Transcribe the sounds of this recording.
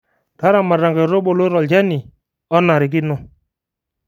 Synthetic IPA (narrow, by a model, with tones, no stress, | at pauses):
ta˦ɾa˨ma˨ɾa˨ŋɡɛ˨ɾo˦bo˨lo˦ɾɔ˨ld͡ʒɛ˦ni˨ | ɔ˦na˨ɾi˨k̬i˦nɔ˦